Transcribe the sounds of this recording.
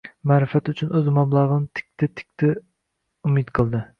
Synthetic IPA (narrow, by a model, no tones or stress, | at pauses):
mæːɾɨfɛt̪yt͡ʃʰynøzmɑblˠɑʁənt̪ʰɪ̥kʲt̪ʰɪt̪ʰɪ̥kʲt̪ʰɪ | umɨt̪qʰəlˠd̪ɨ